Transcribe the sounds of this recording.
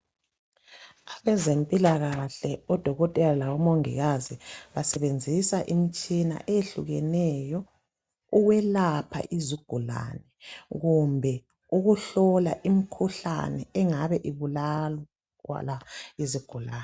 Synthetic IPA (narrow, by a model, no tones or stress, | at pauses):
aβɛzempʼilaɣaɬɛɔd̥ʱɔɣɔtʼɛlalawɔmoŋḭɣaziβasɛβend͡zʱisaʔimit͡ʃʼina̰ʔeeɬuɣɛnɛjɔ | uɣwɛlapʰa̰ʔiziɡ̥ʱula̰nɛɣumbʱɛ | uɣuɬɔlaʔim̩kʰuɬa̰nɛɛŋaβɛʔiβulalɔ | ɣwa̰laiziɡ̥ʱulaːnɛ